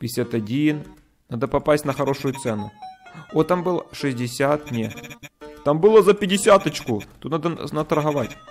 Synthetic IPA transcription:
pʲɪɪsʲat̪ɐdʲin | nad̪əpɐpasʲtʲnɐxɐɾo̞ʂʊjʊt̪sɛnʊot̪ambɨlˠʂɨzʲdʲɪsʲat̪nʲe | t̪ambɨlˠəzɐpʲɪdʲɪsʲat̪ɐt͡ɕkʊt̪ot̪nad̪ənɐt̪ɐɾɦɐvatʲ

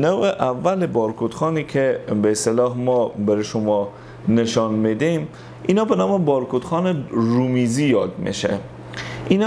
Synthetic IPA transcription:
noweʔavːælebɒɾkʰud̪xɒːnikʰebeːst̪elɒːhmɔbeɾeʃomɒ | neʃɔnmed̪im | inɒbenɒːmebɒɾkud̪xɒneɾumizijɒd̪mḛʃḛ | ʔin

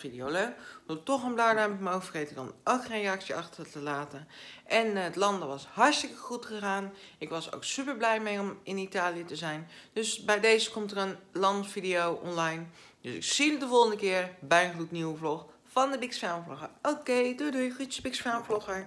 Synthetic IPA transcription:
fidijowlod̥otɔχənblaːdɛmfmowfəxejtɪkɔ̰nokχenreɑksjəʔɑxtətəlaːtəʔɛnətlɑndʋɑshɑɹstɪkəχutχəxaːnɪkʋɑso̰wksypəɹblɛjmejɔmɪnitaːlijətəzɛjnd̥øsbɛjdejzəkɔmtərənlɑntfidiowʔɔnlɑjn | døsɪ̰ksilədəvolˠχəndəkɪərbɛjχlutniwəvlɔχ | fɑndəbɪksfɛlmfloχəowkejdodujxutsəbɪksfɛlmfloχəɹ

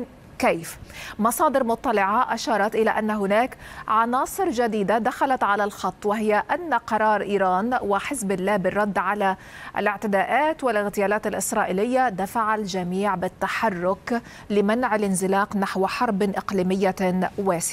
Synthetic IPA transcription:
keːfmɑsˤɑːd̪ɪɾmʊt̪ˤːɑlɪʕaʔaʃɑːɾˤɑt̪ʔɪlaʔanːaɦʊnaːkʕɑnɑːsˤɨɾd͡ʒad̪iːd̪ad̪axalat̪ʕalalxɑt̪ˤːwɪɦɪjaʔanːaqɑɾˤɑːɾˤʔiːɾˤɑːnwɪħɪsbɪlːaːbɪrˤːɑd̪ːʕala | ʔa̰lɪʕt̪ɪd̪aːʔaːt̪walɪɣt̪ɪjaːlaːt̪alʔɪsɾˤɑːʔɪlɪjːad̪afaʕald͡ʒamiːʕbɪt̪ːaħɑrˤːʊk | lɪmanʕalʔɪnzɪlɑːqnaħwħɑɾˤbʔɪqliːmɪjːawaːsɪ

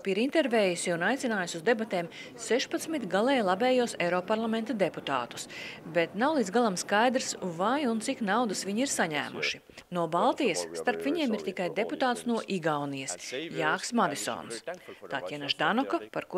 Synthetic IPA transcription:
piɾint̪ɛɾvɛːjusiunajt̪sinaːjusʲuzd̪ebat̪ɛːm | seʃpat̪smit̪ɡalˠɛjlˠabɛːjuɔsɛɾɔpaɾlˠamɛnt̪ɐd̪eput̪a̰ːt̪u̥sbet̪nawlˠid̪zɡalˠamskajd̪ɾsvajunt̪siknawd̪ɐsʋiɲiɾsaɲæ̰ːmʔṵʃi | nuɔbalˠt̪ijɐsːt̪aɾpviɲiɛmiɾt̪ikajd̪eput̪aːt̪snuɔʔiɡawnijɐsjaːksmad̪isɔ̰ːnst̪aːt̪jɛnaʒd̪anɔkɔpaɾku

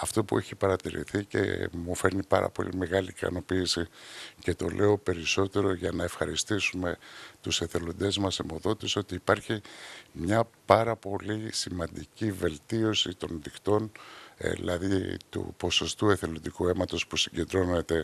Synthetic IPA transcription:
ɐft̪o̞pue̞çipɐɾɐt̪iɾḭθice̞̰mufe̞ɾnipɐ̰ɾɐ̰po̞̰lḭme̞ɣɐliːkɐ̰no̞piːsice̞t̪o̞̰lʔe̞o̞pe̞ɾiso̞t̪e̞ɾo̞ʝɐnɐefxɐɾist̪isume̞t̪use̞θe̞lo̞nd̪e̞zmɐsemo̞ðo̞t̪isio̞t̪iːpɐɾçimɲɐpɐɾɐpo̞lisimɐnd̪icive̞lt̪io̞sit̪o̞nðikt̪o̞n | ḭlɐðit̪ṵpo̞so̞st̪ue̞θe̞lo̞nd̪ikue̞mɐt̪o̞spusiɲɟe̞nd̪ɾo̞ne̞t̪e̞

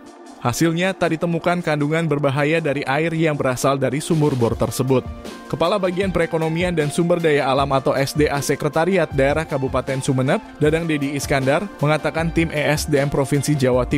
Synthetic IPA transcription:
hasɪlɲat̪adit̪əmukankanduŋanbərbaɦajadaɾiʔaɪrjaŋbəɾasaldaɾisumʊrbɔrt̪ərsəbʊt̪̚kəpalabaɡianpəɾekonomiandansumbərdajaːlamat̪awʔɛsdeʔasəkɾət̪aɾiat̪̚daeɾahkabupat̪ɛnsumənəp̚dadaŋdediːskandarməŋat̪akant̪ɪmʔɛɛsdeɛmpɾofinsid͡ʒawat̪i

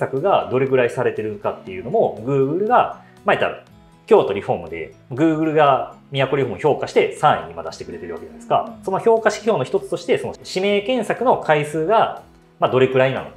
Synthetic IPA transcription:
sakɯ̟ɡad̪o̞ɾe̞ɡɯ̟ɾaisaɾe̞t̪e̞ɾɯ̟ŋkat̪ːe̞jɯ̟no̞mo̞ɡɯ̟ːɡɯ̟ɾɯ̟ɡa | maet̪ːa̰ɾa̰ | kʲo̞ːt̪o̞ɾʲiɸo̞mɯ̟d̪e̞̰maɡɯ̟ːɡɯ̟ɾɯ̟ɡamʲijako̞ɾʲiho̞ːmɯ̟ço̞ːkaɕi̥t̪e̞sãɰ̃ḭ̃ɲ̟ːimad̪aɕi̥t̪e̞kɯ̟ɾe̞t̪e̞ɾɯ̟βake̞d͡ʑane̥ska̰so̞no̞ço̞ːkaɕi̥çʲo̞ːno̞çi̥t̪o̞t͡sɨ̥t̪o̞ɕi̥t̪e̞so̞no̞̰ɕime̞ːkẽ̞ɰ̃sakɯ̟no̞kʰaisɨːɡa | mad̪o̞ɾe̞kɯ̟ɾaina̰no̰

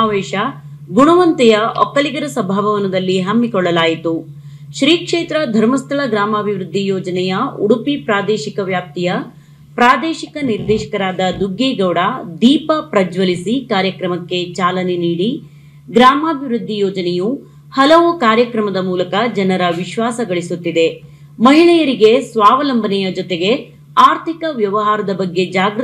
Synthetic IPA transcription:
aːʋeːʃɐ | ɡuɳuʋɐnt̪ɛjɐʔɔ̰kːɐliɡɐɾɐsɐbʱaːʋɐʋɐnːɐd̪ɐlːiɦɐmːikɔɭːɐlaːjit̪u | ʃɾiːkʂeːt̪ɾɐd̪ʱɐɾmɐst̪ʰɐɭɐɡɾaːmɐːbʱiʋɾud̪ʱːijɔːd͡ʒɐnɛjɐuɽupipɾaːd̪eːʃikɐʋjaːp̚t̪ijɐ | pɾaːd̪eːʃikɐniɾd̪ɛːʃɐ̥kɐɾaːd̪ɐd̪uɡːɛːɡɐwɽaːd̪iːpɐpɾɐd͡ʒʋɐlisikaːɾjɐkɾɐmɐkːe̞t͡ʃaːlɐneniːɽi | ɡɾaːmaːbʱiʋɾud̪ʱːijɔːd͡ʒɐnɛju | hɐlɐʋukaːɾjɐkɾɐmɐd̪ɐmuːlɐkɐd͡ʒɐnɐɾɐʋiʃʋaːsɐɡɐɭisut̪ːid̪e̞ | mɐɦiɭɛjɐɾiɡe̞sʋaːʋɐlɐmbʱɐnɛjɐd͡ʒɔt̪eɡe̞ | aːɾt̪ʰikɐʋjɐʋɐɦaːɾɐd̪ɐbɐɡːe̞d͡ʒaːɡɾ

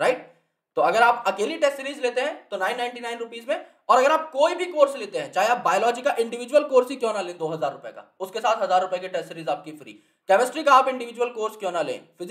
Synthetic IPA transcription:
ɾaɪʈ̚ | t̪oɐɡəɾaːpɐkeːliʈɛsʈɾiːzleːt̪eɦɛ̃t̪onaːɪnːãːɪ̃ɳʈinaːɪnɾʊpiːzmẽ | ɔːɾɐɡəɾaːp̚koːibʱikoːɾsleːt̪eɦɛ̃t͡ʃaːɦeaːp̚baːjolɔːd͡ʒikaʔɪ̃ɳɖɪʋɪd͡ʒwəlkoːɾsikjɔ̃ːnalẽːd̪oːɦɐzaːɾːʊpjḛka̰ːʊskesaːt̪ɦɐzaːɾːʊpjekiʈɛsʈɾiːzaːp̚kifɾḭː | kɛːməsʈɾikaːpɪ̃ɳɖɪʋɪd͡ʒuwəlkoːɾskjɔ̃ːnalḛ̃ːfɪ

